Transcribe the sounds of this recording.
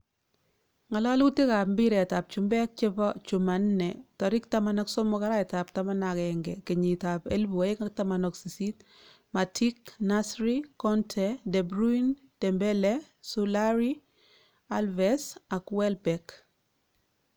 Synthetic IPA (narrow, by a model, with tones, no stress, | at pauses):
ŋa˨la˦lu˦te˦ka˨pmbi˦ɾɛ˨ta˨p̚t͡ʃu˨mbɛ˦k̚t͡ʃe˦pɔ˦t͡ʃu˨ma˨nnɛ˨tɔ˨ɾɪ˦k̚ta˦ma˨nɔ˦ksɔ˦mɔ˦ka˦ɾa˦ɛ˨ta˨p̚ta˦ma˦na˨kɛŋɡɛ̰˨ke˨ɲi˨ta˨pe˦lbu˨a˨ɪ˦ka˦k̚ta˦ma˨nɔ˨ksi˨si˦t̚ | ma˨tʰi˦kna˦sɾikɔ˦ntʰɛdɛ˨bɾui˦n | d̥ɛ˨mbɛ˦lɛ˦ | sulaɾi˦ | a˦lvɛsa˨kwɛ˦lbɛk